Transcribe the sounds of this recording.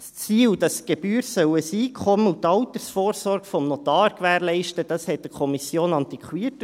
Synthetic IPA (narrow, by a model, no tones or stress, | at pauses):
st͡siːld̥ɑsɡ̥eb̥yːɾsœwəsiːkʰχɔməutɑwtəɾsfɔːɾsɔɾɡ̥fɔmnɔt̪ɑːɾkʋæːɾlɛɪʃtəd̥ɑshɛt̚d̥əkʰɔmisjoːnɑnt̪ikχwiət